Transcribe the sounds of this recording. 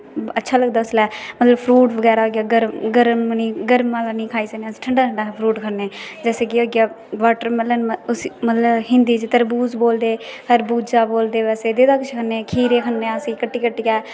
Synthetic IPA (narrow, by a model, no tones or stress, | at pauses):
ətːʃʰaːləɡd̪aːʊslɛːmət̪ləbpʰɾuːʈʋəɡɛːɾaːoːɡjaːɡəɾmɡəɾmnĩːɡəɾmaːlaːnĩːkʰaːiːsəkneːsi̥ːʈʰəɳɖaːʈʰəɳɖaːpʰɾuːʈkʰəɾneːd͡ʒɛːseːɡɪoːɡjaː | ʋaːʈəɾmələnʊsimət̪ləbhɪnd̪iːt͡ʃt̪əɾbuːzboːld̪eːkʰəɾbuːd͡ʒaːboːld̪eːʋɛːseːd̪eːd̪aːkʊt͡ʃʰkʰənːeːkʰiːɾeːkʰənːẽəsĩːkəʈːiːkəʈːiːkɛː